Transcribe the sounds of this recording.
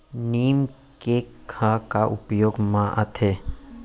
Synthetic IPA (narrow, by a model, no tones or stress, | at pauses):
niːm | kekʰãkaʔʊpjoːɡmãʔə̰t̪ʰeː